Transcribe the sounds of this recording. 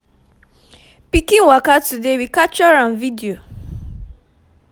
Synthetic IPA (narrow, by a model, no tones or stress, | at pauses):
pikĩŋwakatudewikat͡ʃɔɾãmvidio